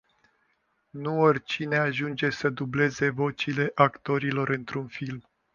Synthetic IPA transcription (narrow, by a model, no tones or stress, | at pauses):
nuorʲt͡ʃine̞aʒund͡ʒe̞səd̪uble̞ze̞vo̞t͡ʃile̞ʔakt̪o̞ɾilo̞ɾɨnt̪ɾunfilm